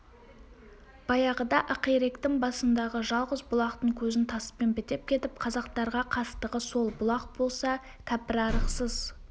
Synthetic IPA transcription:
b̥ɑjɑʁəd̪ɑʔəqeɾe̞kt̪ɪŋbɑsənd̪ɑʁəʒɑlˠʁəzbʊlˠɑq̚t̪əɴkʲʰɵzɪnt̪ʰɑsə̥penbɪt̪e̞p̚kʲʰe̞t̪ɪp̚qʰɑzɑqt̪ɑɾʁɑqʰɑst̪əʁəso̞lˠbʊlˠɑq̚bo̞lˠsɑ | k̪ʲʰæpɪɾɑɾəqsəz̥

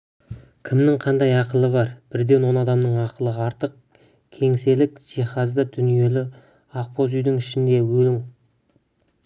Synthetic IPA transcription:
kʲʰɪmnɪŋqʰɑnd̪ɑjɑqəlˠəβɑɾb̥ɪɾd̪e̞nwo̞nɑd̪ɑmnəɴɑqəlˠəɑɾt̪əq̚ | kʲʰe̞ŋse̞lɪkʒ̥iχɑzd̪əd̪̥ʏnije̞lɪ | ɑq̚pʰozʏjd̪ɪŋɪʃɪnd̪e̞wɵlɪŋ

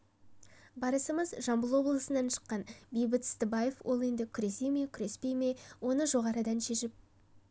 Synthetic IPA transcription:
bɑɾəsəməzʒɑmbəlˠwo̞blˠəsənɑnʃə̥qːɑnbejbət̪st̪əbɑje̞fwʔo̞̰lˠe̞nd̪ɪkʲʰʏɾe̞se̞jmekʲʰʏɾe̞spe̞jme̞wo̞nəʒo̞ʁɑɾəd̪ɑnʃe̞ʃɪp̚

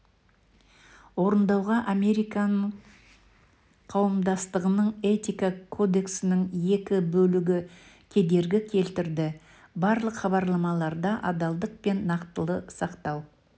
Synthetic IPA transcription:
wo̞ɾənd̪ɑwʁɑʔame̞ɾijkɑnəɴ | qʰɑwəmd̪ɑst̪əʁənəɴe̞t̪ijkakʰo̞d̪e̞ksɪnɪŋje̞kʲɪbɵlɪɡʲɪ | kʲʰe̞d̪e̞ɾɡʲɪkʲʰe̞lt̪ɪɾd̪ɪ | bɑɾlˠəqχɑβɑɾlˠɑmɑlˠɑɾd̪ɑʔɑd̪ɑlˠd̪əq̚pe̞nːɑqt̪əlˠəsɑqt̪ɑw

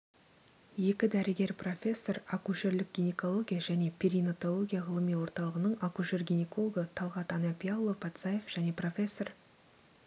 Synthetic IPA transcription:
je̞kʲɪd̪æɾɪɡʲe̞ɾpro̞fʲe̞sːo̞ɾakuʃe̞ɾlɪk̚ɡʲinʲeko̞lˠo̞ɡʲijaʒæne̞pʲʰiɾijnot̪olˠo̞ɡʲijaʁəlˠəmijwo̞ɾt̪ɑlˠəʁənəɴakuʃe̞rɡʲinekolˠoɡət̪ʰɑlˠʁɑt̪ɑnɑpʲijawlˠːopʰɑt̪sɑje̞fʒ̥æne̞pro̞fʲe̞sːo̞r

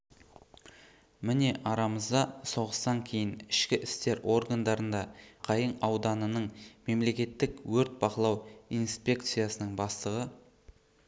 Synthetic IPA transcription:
mɪne̞ʔɑɾɑməzd̪ɑso̞ʁəst̪ɑŋkʲʰe̞jɪnɪʃkʲɪʔɪst̪e̞ɾʔo̞rɡand̪ɑɾənd̪ɑqʰɑjəɴɑwd̪ɑnənəɴme̞mle̞kʲe̞t̪ːɪkwɵɾt̪̚bɑqəlˠɑwijnspʲe̞kt̪sɨjasənəɴbɑst̪əʁə

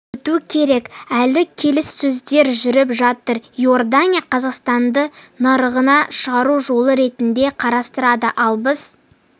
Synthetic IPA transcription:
t̪ukʲʰe̞ɾe̞kælɪkʲʰe̞lɪsːɵzd̪e̞ɾʒʏɾɪpʒɑt̪əɾjo̞rd̪anʲijaqʰɑzɑqst̪ɑnd̪ənɑɾəʁənɑʃəʁɑɾuʒo̞lˠəɾe̞t̪ɪnd̪e̞qʰɑɾɑst̪əɾɑd̪əʔɑlˠbəz

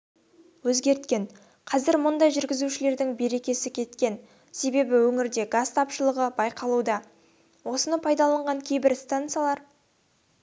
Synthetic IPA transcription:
wɵzɡʲe̞ɾt̪kʲe̞n | qʰɑzɪɾmʊnd̪ɑjʒʏɾɡʲɪzuʃɪle̞ɾd̪ɪŋbe̞ɾe̞kʲe̞sɪkʲʰe̞t̪kʲe̞n | se̞be̞bɪwɵŋɪɾd̪e̞ɡast̪ʰɑpʃəlˠəʁəbɑjqʰɑlˠud̪ɑ | wo̞sənəpʰɑjd̪ɑlˠɑɴʁɑŋkʲʰe̞jbɪɾst̪ant̪sɨjalˠɑɾ

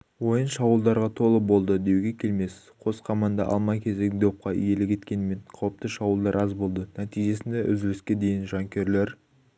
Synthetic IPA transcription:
wo̞jənʃɑwəlˠd̪ɑɾʁɑt̪ʰo̞lˠəbo̞lˠd̪əd̪e̞wɡʲe̞kʲʰe̞lme̞s | qʰo̞sqʰɑmɑnd̪ɑ̰ʔɑ̰lˠmɑjkʲʰe̞zed̪o̞p̚qɑʏ̰je̞lɪkʲʰe̞t̪kʲe̞nɪme̞ɴqʰɑwəp̚t̪əʃɑwəlˠd̪ɑɾʔɑzbo̞lˠd̪ənæt̪ijʒe̞sɪnd̪e̞ʔʏzɪlɪskʲe̞d̪e̞jɪnʒɑŋkʲe̞ɾle̞ɾ

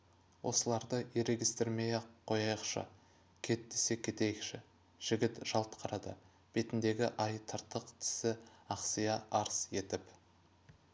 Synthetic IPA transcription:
wʔo̞səlˠɑɾd̪əʔiɾeɡʲist̪ɪɾmejeqʰːo̞jɑjəqʃə̰ | kʲʰe̞t̪ːese̞kʲʰe̞t̪e̞jɪkʃɪ | ʒ̥ɪɡʲɪt̪ʒ̥ɑlˠt̪qʰɑɾɑd̪ə̰ | b̥e̞t̪ɪnd̪e̞ɡʲɪ̰ʔɑjt̪ʰəɾt̪əqt̪ʰɪ̥sɪɑqsijɑʔɑɾsje̞t̪ɪp

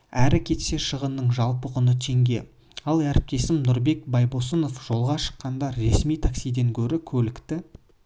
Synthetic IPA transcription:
æɾɪkʲʰe̞t̪se̞ʃəʁənːəɴʒɑlˠpəqʊnət̪ʰe̞ŋɡʲe̞̰ | ɑlˠæɾɪp̚t̪e̞sɪmnʊɾbe̞k̚bɑjbosəno̞fʒ̥o̞lˠʁɑʃə̥qːɑnd̪ɑːe̞smijt̪ʰaksijd̪e̞ŋkʲʰɵɾɪkʲʰɵlɪkt̪ɪ

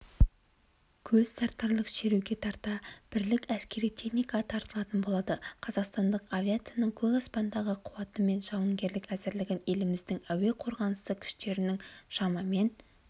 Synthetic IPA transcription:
kʲʰɵz̥st̪ɑɾt̪ːɑɾlˠəqʃe̞ɾeɡʲe̞t̪ʰɑɾt̪ɑb̥ɪɾlɪkʲæskʲe̞ɾijt̪ʰe̞χnijkɑt̪ʰɑɾt̪əlˠɑt̪ənbo̞lˠɑd̪əqʰɑzɑqst̪ɑnd̪əqavʲiat̪sɨijanəɴkʲʰɵzɑspɑnd̪ɑʁəqʰʊwɑt̪əme̞nʃɑwəŋɡʲe̞ɾlɪkæzɪɾlɪɡʲɪne̞lɪmɪzd̪ɪŋæwe̞qʰo̞ɾʁɑnəsəkʲʰʏ̥ʃt̪e̞ɾɪnɪŋʃɑmɑme̞n

